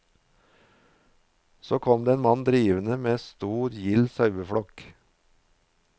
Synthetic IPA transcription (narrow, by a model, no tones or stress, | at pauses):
soːkʰɔmd̪eːeːnmɑnd̪ɾiːʋənəmeːst̪uːɾjɪlsɑʉbəfɽɔk